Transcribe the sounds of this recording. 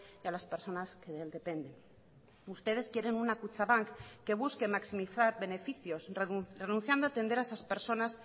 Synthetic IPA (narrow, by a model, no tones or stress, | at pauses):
jalaspe̞ɾso̞naske̞ðeeld̪e̞pe̞nd̪e̞n | ust̪e̞ð̞e̞skje̞ɾe̞nunakut͡ʃaβaŋkːe̞β̞uske̞maksimiθaɾβe̞ne̞fiθjo̞srrenũnθjand̪oat̪e̞nd̪eɾaesaspe̞ɾso̞nas